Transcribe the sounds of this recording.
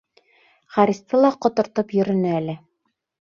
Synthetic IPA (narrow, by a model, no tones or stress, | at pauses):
χɑɾist̪ɤlˠɑqŏt̪ŏɾt̪ɤpjɵ̆ɾɘ̆nɘælɘ